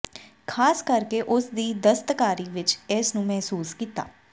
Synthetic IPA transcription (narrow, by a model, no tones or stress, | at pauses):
kʰaːskəɾkeʔʊsd̪iːd̪əst̪kaːɾiːʋɪt͡ʃɛːsnũːmɛɦsuːskiːt̪a̰ː